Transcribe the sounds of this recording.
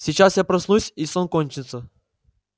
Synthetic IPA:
sʲɪt͡ɕasjapɾɐsnusʲisonkonʲt͡ɕɪt̪sːə

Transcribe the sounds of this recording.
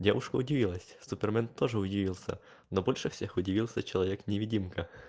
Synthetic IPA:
dʲa̰ʋʊʃkɐʊdʲiʋilˠɐsʲsupɛrmɛnt̪ɔʒɛʊdʲiʋʲilˠsʲɐ̰ | nɔbɔlʲʃɛw̥sʲɛxʊdʲiʋʲilˠsʲɐt͡ʃɔlˠɔʋʲɛknʲeʋʲidʲimkɐ

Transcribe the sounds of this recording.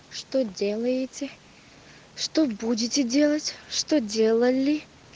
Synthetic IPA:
ʂt̪odʲelˠəjɪtʲɪ | ʂt̪obudʲɪtʲɪdʲe̞lˠətʲʂt̪odʲe̞lˠəlʲɪ

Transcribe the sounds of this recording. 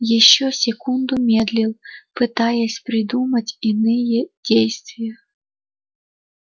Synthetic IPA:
jɛɕːɔsʲɛkund̪ʊmʲɛd̪lʲilˠpɨt̪ajɛsʲpɾɪd̪umɐt͡sʲinɪjɛd̥ʲejst̪vʲɪjɐ

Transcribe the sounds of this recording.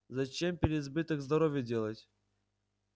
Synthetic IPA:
zɐt͡ɕempʲɪɾʲɪzbɨt̪ɨkzd̪ɐɾovʲjədʲelˠətʲ

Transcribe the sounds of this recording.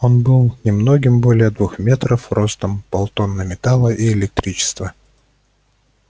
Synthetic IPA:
o̞nbɨlˠnʲɪmno̞ɡʲɪmbo̞lʲɪjəd̪vuxmʲe̞t̪ɾəfro̞st̪əmpɐlˠt̪o̞nːəmʲɪt̪alˠəʔiɪlʲɪk̚t̪ɾʲit͡ɕɪ̥st̪və

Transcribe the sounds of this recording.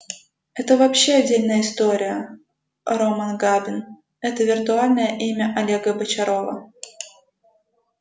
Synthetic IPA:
ɛt̪əvɐpɕːeɐdʲːelʲnəjəɪst̪oɾʲɪjə | ɾomanɡabʲɪn | ɛt̪əvʲɪrt̪ʊalʲnəjəʔimʲəʔɐlʲeɡəbət͡ɕɐɾovə̰

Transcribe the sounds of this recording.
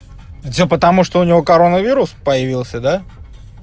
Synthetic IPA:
vdʲepət̪ɐmuʂt̪oʊnʲɪvo̞kɐɾo̞nəvʲiɾʊspəjɪvʲilˠsʲəd̪a

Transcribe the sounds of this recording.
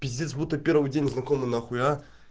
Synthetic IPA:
pʲɪt̪ʲdʲit̪sbut̪əpʲeɾvɨjdʲenʲznakomɨnaχʊja

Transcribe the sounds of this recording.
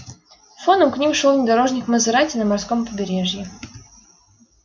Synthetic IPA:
fonəmknʲimʂolˠvnʲɪd̪ɐɾo̞ʐnʲɪkməzɨɾatʲɪnəmɐrskompəbʲɪɾʲeʐjɪ

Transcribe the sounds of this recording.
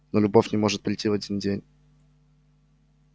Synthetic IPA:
nolʲʊbofʲnʲɪmo̞ʐɨt̪̚pɾʲɪjtʲːivɐdʲindʲenʲ

